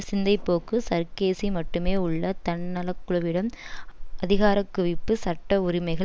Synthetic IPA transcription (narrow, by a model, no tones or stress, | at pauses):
sɪnd̪ɐɪpːoːkɯsɐɾkeːsimɐʈːɯmeːʊɭːɐt̪ɐɳːɐlɐkːɯɭɐʋɪɽɐmʔɐðɪɣaːɾɐkːɯʋɪpːɯsɐʈːɐʊɾɪmɐɪɣɐ